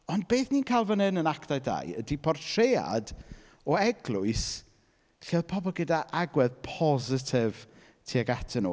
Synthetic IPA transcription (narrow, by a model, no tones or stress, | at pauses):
ɔnd̚beːθniːnkʰajlˠvənhɨnənaktajda̰jədipʰɔrtʰrea̰d | ɔɛɡlˠʊɨs | ɬeðpʰɔbɔlˠɡədaʔaɡwɛðpʰɔzɪtʰɪv | tʰiaɡatʰɪnṵ